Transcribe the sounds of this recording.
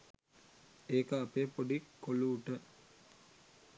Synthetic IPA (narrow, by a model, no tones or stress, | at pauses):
eːkəapeːpoɖikːoluːʈə